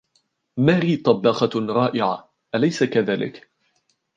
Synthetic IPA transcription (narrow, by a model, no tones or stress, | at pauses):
maːɾiːt̪ˤɑbːɑxɑɾˤɑːʔɪʕa̰ | ʔalajsakaðaːlɪ̰k